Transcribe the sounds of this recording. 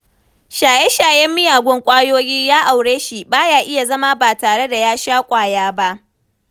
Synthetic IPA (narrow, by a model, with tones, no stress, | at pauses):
ʃaː˨jɛ˦ʃaː˨jɛ˦mːɪ˦jaː˨ɡʷʊ˦ŋkʷʼaː˦joː˦jiː˦jaː˦ʔa˨wɽeː˦ʃi˨baː˦jaː˦ʔɪ˦ja˨zɐ˦ma˦baː˨taː˨ɽe˦da˨jaː˦ʃaː˦kʷʼaː˨jaː˦ba˦ʔ